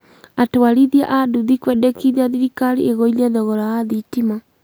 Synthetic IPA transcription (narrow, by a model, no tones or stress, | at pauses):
atoaɾiðia̰ʔaduðikwɛdɛkiðiaðiɾikaɾiʔeɣoilɛðɔɣɔɾaaðitima